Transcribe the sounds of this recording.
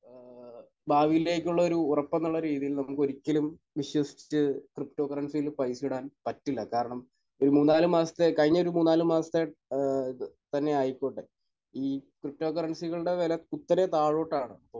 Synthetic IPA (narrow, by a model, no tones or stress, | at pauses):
baːʋijile̞ːk̬ʲːuɭːɐo̞ɾuːrɐpːenːuɭːɐɾiːðijilnɐmukːɨo̞ɾikʲːɐlum | ʋiɕwɐsi̥t͡ɕt͡ɕːɨkrip̚to̞ːkɐrɐɳsijilupɐjsiɽaːnpɐtːilːɐkaːɾɐɳɐm | o̞ɾumuːnːaːlumaːsɐ̥t̪ːekɐɻiɲːɐo̞ɾumuːnːaːlumaːsɐ̥t̪ːe | t̪ɐnːe̞aːjikʲːoːɳːɨ | iːkrip̚to̞ːkɐrɐɳsiɣɐɭɨɽe̞ʋeːlɐkut̪ːɐnet̪aːɻo̞ːʈːaːɳɨɐpːoː